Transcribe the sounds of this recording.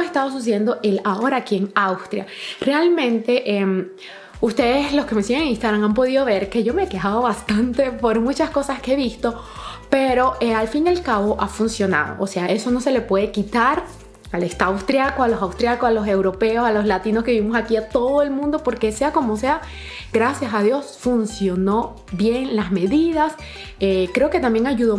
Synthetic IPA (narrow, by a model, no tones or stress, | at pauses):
est̪aðos̬us̬ee̞nd̪o̞ʔe̞lao̞ɾaːkie̞ŋawst̪ɾja̰re̞almẽ̞nt̪e̞ʔem | ust̪e̞ðeslo̞ske̞mesiɣeŋĩnst̪aɣɾaŋampo̞ðiðo̞βe̞ɾke̞ʝomeeke̞xaðoβast̪ant̪e̞po̞ɾmut͡ʃasko̞saskeeβist̪o̞pe̞ɾo̞ealfinjalkaβo̞ʔafunsjo̞na̰ð̞o̰ʔose̞aʔe̞so̞no̞se̞le̞pwe̞ðekit̪aɾ | alest̪awst̪ɾjakoalo̞sawst̪ɾjakosalo̞s̬e̞wɾo̞pe̞o̞salo̞slat̪inoske̞βiβimo̞sakiat̪o̞ðoe̞lmũnd̪o̞po̞ɾke̞se̞ako̞mo̞se̞a | ɡ̥ɾasjasaðjo̞sfunsjo̞no̞ | βje̞ŋlazme̞ðiðas | ekɾe̞o̞ke̞t̪ambje̞ŋaʝuðo